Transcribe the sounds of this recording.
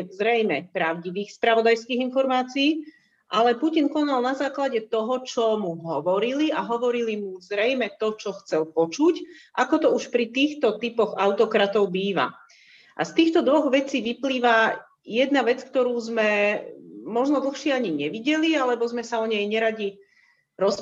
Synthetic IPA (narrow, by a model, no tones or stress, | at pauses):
zɾɛjmɛpɾaʊɟiʋiːxspɾaʋɔd̪ajskiːɣinfɔɾmaːt͡siiː | ʔalɛpucinkɔnalnazaːklaɟɛt̪ɔɦɔt͡ʃɔmuɦɔʋɔɾiliaɦɔʋɔɾilimuzɾɛjmɛt̪ɔt͡ʃɔxt͡sɛlpɔt͡ʃucʔakɔt̪ɔuʃpɾit̪iːxt̪ɔt̪ipɔɣaʊt̪ɔkɾat̪ɔʊbiːʋa̰ | ʔa̰st̪iːxt̪ɔd̪ʋɔɣʋɛt͡siːʋipliːʋa | jɛd̪̚naʋɛt͡skt̪ɔɾuːzmɛ | mɔʒnɔd̪l̩xʃɪɛaɲiɲɛʋiɟɛlialɛbɔzmɛsaɔɲɛjɲɛɾaɟi | ɾɔs